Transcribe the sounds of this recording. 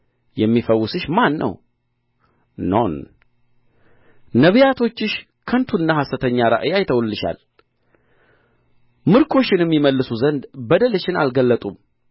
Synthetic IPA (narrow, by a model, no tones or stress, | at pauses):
jɛmːifəwːʊsɨʃmanːə̰w | no̰n | nəβɨjat̪ʰo̞t͡ʃːɪʃ | kʰənt̪ʰuɨnːahasət̪ʰəɲːaɾa̰ʔɨjajt̪ʰəwlːɨʃa̰l | mɨɾkʰo̞t͡ʃːɪnɨmːiməlːɨsuzənd̪bəd̪əlɨʃɪna̰lɡəlːət̪ʼum